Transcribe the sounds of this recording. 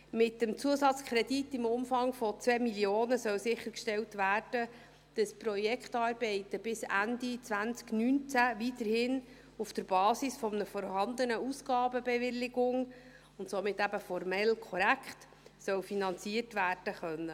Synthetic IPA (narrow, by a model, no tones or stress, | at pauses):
mɪtːəmt͡suəsɑt͡skʰɾɛditːɪmʊmfɑŋfɔt͡svɛːmiljoːnəsœwsɪχːəɾkʃtɛltʋæːrd̥ə | d̥əsprɔjɛkχtɑːrb̥ɛɪtəb̥ɪsændit͡sʋænt͡sknynt͡sæʋit̪əɾhɪn | ufd̥əɾbɑːsisfɔmənəfɔɾhɑnd̪ənəusɡ̥ɑːbəbɛvɪlːɪɡʊŋ | ʊntsɔmɪtːæbəfɔɾmɛlkʰɔɾækχt | sœwfinɑnt͡siətʋæːrd̥əχœnːə